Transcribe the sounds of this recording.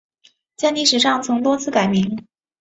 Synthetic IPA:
t͡ɕja˥˧ni˥˩ʂɻ̩˨˩ʂɑ˥˩ŋt͡sʰʊ˧˥ŋt̪wɔ˥t͡sʰɹ̩˥˩ka˨˩ɪmi˧˥ŋ

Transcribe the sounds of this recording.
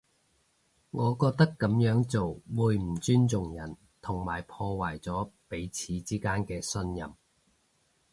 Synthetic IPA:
ŋɔː˨˧kɔː˧k̚t̪ɐ˥kːɐ˨˥mjœː˨˥ŋt͡so˨wwuː˨˧jm̩˨˩t͡ʃyː˥nt͡sʊ˨ŋjɐ˨˩n | t̪ʰʊ˨˩ŋmaː˨˩jpʰɔː˧waː˨˩jt͡sɔː˨˥pe˨˥jt͡sʰiː˨˧t͡siː˥kaː˥nkɛː˧sɵ˧njɐ̰˨m

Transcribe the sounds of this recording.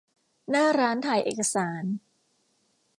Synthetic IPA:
naː˥˩ɾaː˦˥nt̪ʰaː˨˩jʔḛː˨˩ka˧saː˩˦n

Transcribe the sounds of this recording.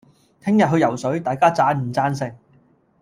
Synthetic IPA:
t̪ʰɪ˥ŋjɐ˨t̚ɦɵ˧ɥjɐ˨˩wsɵ˨˥ɥt̪aː˨jkaː˥t͡saː˧nm̩˨˩t͡saː˧nsɪ˨˩ŋ

